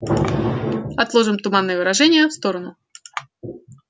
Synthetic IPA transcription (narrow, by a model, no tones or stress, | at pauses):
ɐt̪lˠoʐɨmt̪ʊmanːɨjəvɨɾaʐɛnʲɪjəfst̪oɾənʊ